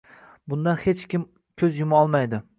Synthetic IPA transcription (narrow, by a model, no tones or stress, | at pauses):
bʊnd̪anhet͡ʃkʲɪm | kʲʰɵzjʊmɒlˠmajd̪ɪ